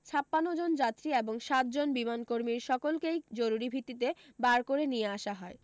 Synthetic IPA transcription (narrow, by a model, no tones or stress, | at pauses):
t͡ɕʰapːanːod͡ʑond͡ʑat̪ːɾieboŋʃat̪̚d͡ʑonbimankoɾmiɾʃɔkolkejd͡ʑoɾuɾibʱit̪ːit̪e | baɾkoɾenijeaʃaɦɔe